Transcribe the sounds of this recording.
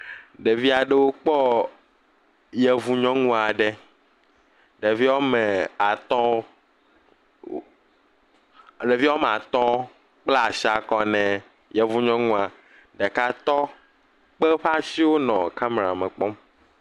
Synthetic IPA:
ɖe˨vi˦a˨ɖe˦wo˦k͡pɔ˦ | jɛ˨vu˨ɲɔ̃˦ŋũ˦a˨ɖɛ˦ | ɖe˨vi˦wɔ˦mɛ̃˨a˨t̪ɔ̃˦˨ | ɖe˨vi˦wɔ˦m˨a˨t̪ɔ̃˦ | k͡pla˦a˨ʃi˦a˨kɔ˦nɛ̃˨ | jɛ˨vu˨ɲɔ̃˦ŋũ˦a˨ | ɖɛ˨ka˦t̪ɔ˦ | k͡pɛ˦ɸa˦si˦wo˦nɔ̃˨ka˦me˨ɾa̰˨mɛ̃˨k͡pɔ˦m

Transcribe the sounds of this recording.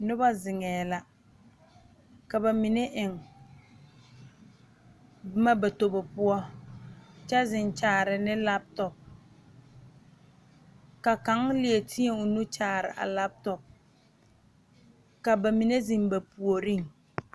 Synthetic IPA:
nʊ˦ba˦zɪ˨ŋɛː˨la˦ | ka˨ba˨mi˨ne˦ʔɪ˨ŋ | bma˦ba˨to˨bɔ˨pʊ˦ɔ˦ | t͡ʃɛ˦zɪ˨nt͡ʃaː˨ɾɪ˨nɪ˦la˦p̚tɔ˨p̚ | ka˨ka˨˦ŋlɪ˨e˨tʰi˦e˨ʊ˨nu˦t͡ʃaː˨ɾɪ̰˨ʔa̰˨la˦p̚tɔ˨p̚ | ka˨ba˨mi˨ne˦zi˨mba˨pu˨o˨ɾi˦ŋ

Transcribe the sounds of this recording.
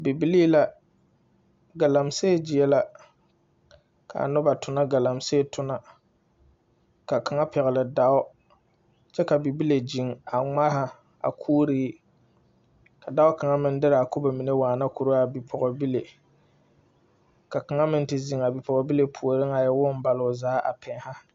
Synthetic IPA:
bi˨bi˦li˦la˨ | ɡa˨la˨mse˦˨d͡ʒɪ˨jɛ˦la˨ | kʰa̰˨nʊ˦ba˨tʊ˨na˦ɡa˨la˨mse˦˨tʰʊ˦na˨ | ka˨ka˨ŋa˦pɛ˨ɣɪ˨lɨ˨da˦ʊ˦ | t͡ʃɛ˦ka˨bi˨bi˦le˨d͡ʒi˨ŋa˨ŋ͡ma˦ha˨ | a̰˨kʰuː˦ɾiː˦ | ka˨da˦ʊ˦ka˨ŋa˦mɪ˦n˦dɪ˦ɾa˨a˨kʊ˦ba˨mi˨ne˦waː˨na˦ku˨ɾo˦a˨bi˨pʰɔ˨ɣɔ˨bi˦le˨ | ka˨ka˨ŋa˦mɪ˦n˦tɪ˨zi˨ŋa˨bi˨pɔ˨ɡɔ˨bi˦le˨pʰu˨o˨ɾɪ˦ŋa˨jɛ˦wʊ˦n˦ba˨lʊ˨zaː˨˦ʔa̰˨pʰɛ˨˦ha˦

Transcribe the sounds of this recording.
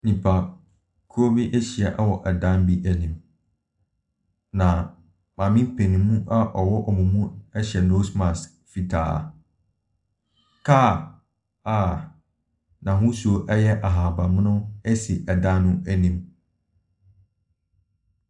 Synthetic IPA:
nĩ˨pʰa˨ | kʰo˦bi˦ʔæ˦ɕi˨ɛ˨ʔa˦wɔ˨ʔa˨dã˦m˦bi˦ʔæ˨nĩ˨m | nã˨ | mãː˨mĩ˦m˦pʰe˨nĩ˨mũ˦ʔa˦ʔɔ˨wɔ˦ʔɔ˨mũ˨mũ˦ɛ˦ɕɛ˨no˦smã˨s | fi˨tʰa̰˨ | kʰa˦˨ | a˨ | nã˨ɦʊ̃˦su˦o˨ʔɛ˦jɛ˦ʔa˨ɦa˨ba˨mɪ̃˦nʊ̃˦ɛ˦si˨ʔɛ˨dã˦nnʊ̃˦æ˦nĩ˨m

